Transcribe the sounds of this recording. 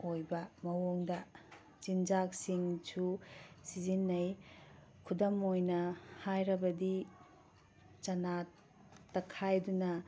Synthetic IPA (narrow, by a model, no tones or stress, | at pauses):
ojbɐmɐwoŋdɐ | t͡ʃind͡ʒak̚siŋsʰusizinːɐj | kʰudɐmojnɐhajɾɐbɐdi | t͡ʃɐna | tɐkʰajdunɐ